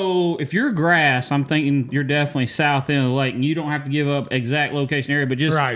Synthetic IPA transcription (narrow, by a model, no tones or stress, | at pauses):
ʊɨfjə˞ɡɹæsãɪ̃mθɪ̃ŋkɪ̃ŋjə˞dɛfənətˡlisaʊθɪ̃nlaɪkɨ̃n̩jɨɾõʊ̃nthæftɨɡɪvʌpɪɡzæk̚t̚ˡloʊkʰeɪʃɨn̩ɛɹiɨbʌt̚d̥ʒ̥ʌɪ